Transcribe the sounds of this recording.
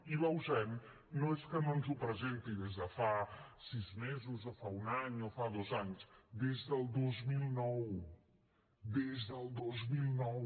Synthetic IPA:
ilauʒɛm | nɔʃkɐmɐ̃muzupɾɐʒẽnt̪iðeʒɐfasizmezɨzɐfaũnaɲuɐfaðozɐnuʃd̪eʒðɐd̪ozmilˠinɔw | d̪eʒðalˠd̪ozmilˠinɔw

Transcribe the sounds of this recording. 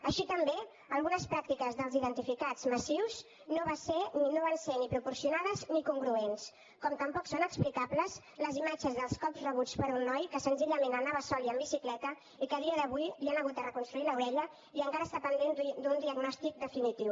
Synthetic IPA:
əʃit̪əmbe | əlˠɣunəspɾak̚t̪ikəzðəlˠziðənt̪ifikad͡zməsiwz | noβaseninoβansenipɾupuɾsiunaðəznikuŋɡɾuens | kɔmt̪əmpɔksonəksplikapləz | ləzimad͡ʒəzðəlˠskɔpzrəβut͡spəɾunːɔjkəsənziʎəmẽnənaβəsɔliəmbisiklɛt̪ə | ikəðiəðəβujlianəɣut̪̚d̪ərəkunst̪ɾuiləwɾɛʎə | iəŋkaɾəsapənd̪end̪d̪und̪iəɡnɔst̪ik̚d̪əfinit̪iw

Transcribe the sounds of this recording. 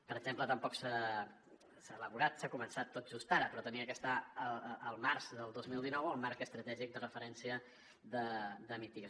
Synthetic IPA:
pəɾəɡzemplət̪əmpɔksa | saːləβuɾat̪sakumənsat̪ːot̪̚ʒust̪aɾəpɾɔt̪əniəkəst̪aəəlˠmarzðəlˠd̪ozmilˠd̪inɔwəlˠmaɾkəst̪ɾət̪ɛʒik̚d̪ərəfəɾɛnsiə | ðəðəmit̪iə

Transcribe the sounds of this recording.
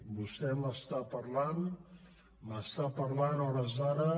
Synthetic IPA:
bust̪ɛməst̪apəɾlan | məst̪apəɾlanɔɾəzaɾə

